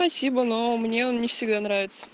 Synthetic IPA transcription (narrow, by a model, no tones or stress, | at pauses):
pɐsʲibənomnʲe̞onnʲɪfsʲɪɡ̚d̪anɾavʲɪt̪sə̥